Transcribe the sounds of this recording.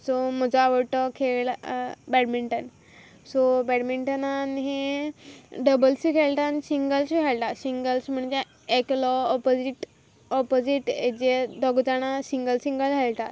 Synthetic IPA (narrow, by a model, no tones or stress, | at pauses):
sɔm̤əd͡zəaʋəɽʈ̪ɔkʰeɭbɛɽmiɳʈən | sɔbɛɽmiɳʈənanɦe | ɖəbəlsikʰeɭʈ̪anisiŋɡəlɕiɦeɭʈasiŋɡəlsm̤əɳd͡ze | eklɔɔpod͡ziʈ | ɔpod͡ʑiʈed͡ʑed̪ɔɡd͡zaɽ̃asiŋɡəlsiŋɡəlɦeɭʈat̪